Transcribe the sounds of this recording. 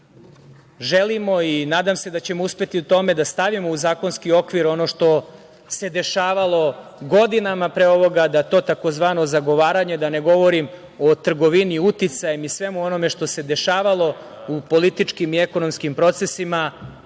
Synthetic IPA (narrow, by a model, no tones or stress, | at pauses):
ʒelimo̞inaːd̪amse̞d̪at͡ɕe̞mouspe̞t̪iut̪o̞me̞d̪ast̪aʋimo̞uzaːko̞nskio̞kʋiɾo̞no̞ʃt̪o̞ | se̞d̪e̞ʃaːʋalˠo̞ɡo̞d̪inamapɾeo̞ʋo̞ɡad̪at̪o̞ːt̪ako̞zʋaːno̞zaɡo̞ʋaːɾaɲed̪ane̞ɡo̞ʋo̞ɾim | o̞t̪r̩ɡo̞ʋiniut̪it̪sajemisʋe̞muo̞no̞me̞ʃt̪o̞se̞d̪e̞ʃaːʋalˠo̞ | upo̞lit̪it͡ʂkimie̞ko̞no̞mskimpɾo̞t̪se̞sima